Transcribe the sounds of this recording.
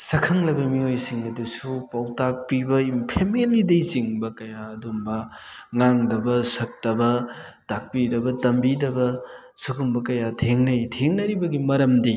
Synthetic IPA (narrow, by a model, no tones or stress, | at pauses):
sɐkʰɐŋlɐbɐmiojsiŋɐdusupawtak̚pibɐimpʰemelidɐjsiŋbɐkɐjaɐdumbɐŋaŋdɐbɐsɐk̚tɐbɐtak̚pidɐbɐtɐmbidɐbɐ | suɡumbɐkɐjatʰeŋnɐjtʰeŋnɐɾibɐɡimɐɾɐmdi